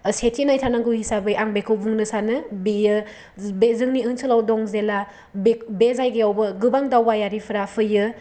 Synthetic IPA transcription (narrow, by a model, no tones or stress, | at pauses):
setʰinajtʰanaŋɡɯwhisabɯjʔaŋbekʰɯwbuŋnɯsanɯbijɯ | bezɯŋniɯŋsɯlawdɔŋzela | bebezajɡɯjawbɯɡɯbaŋdawbajaɾipʰɯɾapʰɯjɯ